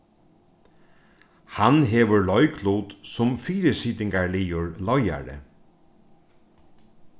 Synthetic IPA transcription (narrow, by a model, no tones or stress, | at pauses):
hanɦɛːʋəɹlɔjkʰluːt̪sʊmfiːɾəsiːt̪ɪŋkaɹliːʊɹlɔja̰ɹə̰